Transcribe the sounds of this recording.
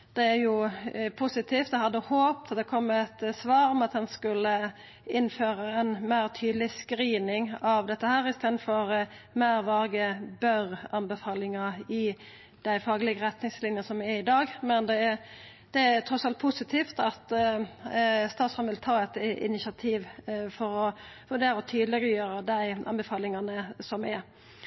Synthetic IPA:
d̪̥ɛæɾjʊpʰʊsɪt̪ʰiːft̪d̪ɛhɑd̪əhoːp̚t̪ʰɑt̪d̪ɛkʰɔmːɛt̪sʋɑːɾɔmɑt̪hɛnskʉlːə | ɪnːføːɾəɛnmæɪɾt̪ʰyːd̪lɪskɾiːnɪŋɑʋd̪ɛt̪ːəhæːɾɪst̪eːd̪nfɔɾmæɪɾʋɑːɡəbœɾɑnbəfɑːlɪŋɑɪ | d̪̥æɪfɑːɡlɪɡəɾɛt̪nɪŋslɪnjəsɔmɛɪd̪ɑːɡmɛnd̪ɛ | d̪̥ɛæɾt̪ʰɾɔsɑlt̪̚pʰʊsɪt̪ʰiːft̪ɑt̪ | st̪ɑːt̪sfʁɑmʋɪlt̪ʰɑːɛt̪ɪ̰nɪsɑt̪ʰiːʋfɔɾɔʋʉɖeːɾəɔt̪ʰyːd̪lɪɡəjøːɾəd̪æɪɑ̰nbəfɑːlɪŋɑnəsɔmɛ

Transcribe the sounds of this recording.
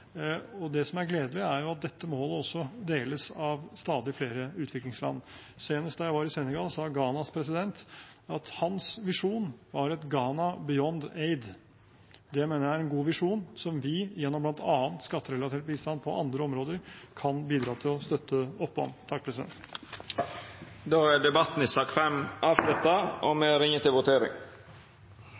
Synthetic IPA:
ɔd̪ɛsɔmæɾɡleːd̪əlɪæɾjʊɑt̪̚d̪ɛt̪ːəmoːləɔsːɔd̪eːləsɑʋst̪ɑːd̪ɪfleːɾəʉːt̪ʰʋɪklɪŋslɑ̰nː | seːnəst̪d̪ɑjæɪʋɑːɾɪsenəɡɑlsɑːɡɑːnɑspʰɾɛs̬ɪd̪ɛnt̪ɑt̪hɑnsʋɪʂuːnʋɑɾɛt̪ɡɑːnɑbɪɔnd̪eɪd̪ | d̪ɛjæɪmeːnəɾjæɾɛnɡuːʋɪʂuːnsɔmʋɪjɛnːɔmblɑnt̪ɑːənt̪skɑt̪ːəɾɛlɑt̪ʰeːʈ̚biːst̪ɑnpʰɔʔɑ̰nd̪ɾəɔmɾoːd̪əɾkʰɑnbiːd̪ɾɑːt̪ʰɪlɔst̪œt̪ʰːəɔpːɔ̰mt̪ʰɑk̚pʰɾɛsɪd̪ɛ̰nt̪ | d̪oːæɖɛbɑt̪n̩isɑːkfɛmɑːʋʂlʉt̪ːɑɔmɛɾɪŋːət̪ʰɪlʋʊt̪ʰeːɾɪ̰ŋ

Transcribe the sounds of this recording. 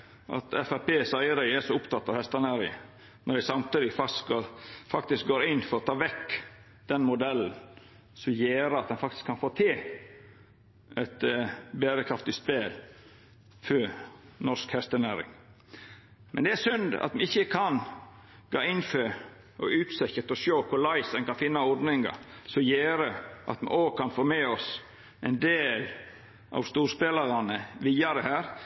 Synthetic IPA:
ʔɑ̰t̪ɛfæpeːsɑɪəɾəæsɔʊpt̪ʰɑt̪ːɑʋhɛst̪ənæːɾɪ | nɔɖ̪æsɑmt̪yːd̪ɪfɑsofɑk̚t̪ɪsk̚ɡoːɾɪnːfɔɾɔt̪ʰɑːʋɛkː | d̪̥ɛnmʊd̪ɛln̩ | sɔmjeːɾəɑt̪̚d̪ɛnfɑk̚t̪ɪ̥skʰːɑnfoːt̪ʰeː | ʔɛt̪bæːɾəkʰɾɑft̪ɪspeːl | fœnɔskhɛst̪ənæːɾɪ̰ŋ | mʔɛnd̪ɛæsʉnd̪ɑ̰t̪mɛɪçːəkʰɑn | ɡ̥ɑ̰ːɪnfø | ʔɔʉːt̪sɛçət̪ɔʃoːkʰʊɾlɑɪsd̪ɛnkɑnfɪnːɑɔɾd̪nɪŋɡɑ̰sɔjeːɾəʔɑ̰t̪mɛ̰oːkʰɑnfoːmeɔs | ɛɪnd̪eːl | ʔɑ̰ʋst̪uːɾspeːlɑɾɑnəʋiːɑɾəhæːɾ

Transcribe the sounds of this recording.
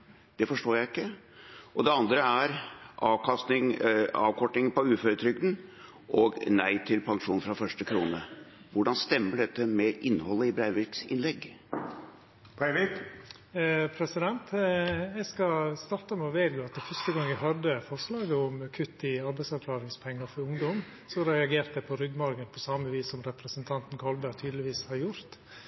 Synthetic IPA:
d̪̥ɛfɔʂʈoːjæɪɪkːə | ʔɔd̪ɛɑnd̪ɾəæɾʔɑːʋkʰɑst̪nɪŋɑ̰ːʋkʰɔʈnɪŋpɔʉːfœɾət̪ʰɾʏɡd̪n̩ | ʔɔɡnæɪt̪ʰɪlpʰɑŋʂuːnfɾɑfœʂʈəkʰɾuːnə̰ | ʋʊɖɑnst̪ɛmːəɖɛt̪ːəmɛʔɪnːhɔlːəɪbɾæɪʋɪɾksɪnlɛɡː | pʰæɪʋɪk | pʰɾɛsɪd̪ɛnt̪ɛɡskɑst̪ɑɾt̪əmɛɔʋeːɾɡoːɑt̪d̪ɛfœʂt̪əɡɑŋːæɦɑd̪əfɔɾʂlɑːɡəɔmkʰʉt̪ːɪɑɾbæɪsɑɾkʰlɑːɾɪŋspʰɛŋːɑfɔɾʊŋd̪ɔm | sɔɾɛɑɡeːɾt̪əpʰɔɾʏɡmɑɾɡənpʰɔsɑməʋiːsɔmɾɛpɾəsənt̪ʰɑnt̪n̩kʰɑlbæɾt̪ʰyːd̪əlɪʋiːshɑɾjʊɾt̪

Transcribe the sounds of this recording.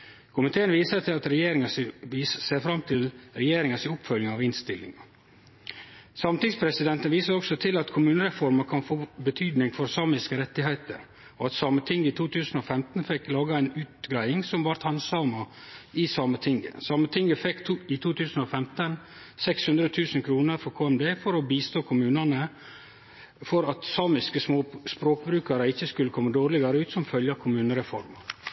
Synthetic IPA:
kʰʊmɪt̪ʰeːənʋiːsət̪ʰɪlɑt̪ɾɛjeːɾɪŋɑsseːfɾɑmt̪ʰɪlɾɛjeːɾɪŋɑsɪʊpfœljəŋɑːʋɪnst̪ɪlːɪ̰ŋ | sɑːmət̪ɪŋspʰɾɛsɪd̪ɛnt̪ənʋiːsəɾɔksɔt̪ʰɪlɑt̪kʰʊmʉːnəɾɛfɔɾməɾkʰɑnfoːbət̪ʰyːd̪nɪŋfɔɾsɑːmɪskəɾɛt̪ːɪɦæɪt̪ə̰ɾ | ɔɑt̪sɑːmət̪ʰɪŋɡəɪt̪ʰuːt̪ʰʉːsən̩oːfɛmt̪n̩fɛkːlɑːɡɑæɪnʉːt̪ɡɾæɪɪŋsɔmʋɑɾt̪hɑnsɑːmɑ | ɪsɑːmət̪ʰɪŋɡə̰sɑːmət̪ʰɪŋɡəfɛkːt̪ʰːɪt̪ʰuːt̪ʰʉːsən̩ɔfɛmt̪ən | sɛkshʉnd̪ɾət̪ʰʉːsən̩kʰɾuːnəɾfɔkʰoːɛmd̪eːfɔɾɔbiːst̪oːkʰʊmʉːnɑnə | fɔɾɑt̪sɑːmɪskəsmoːspɾoːkbɾʉːkɑɾəɪçːəskʉlːəkʰɔmːəd̪oːɾlɪɡɑɾəʉːt̪sɔmfœljɑkʰʊmʉːnəɾɛfɔɾmə

